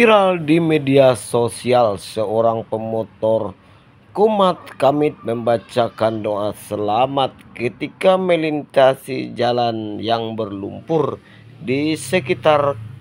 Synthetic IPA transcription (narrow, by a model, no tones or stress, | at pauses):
fiɾaldimediasosialsəoɾaŋpəmɔt̪ɔr | kumat̪̚kamɪt̪̚məmbat͡ʃakandoasəlamat̪̚kət̪ikaməlint̪asḭd͡ʒalanjaŋbərlṵmpʊr | disəkit̪ar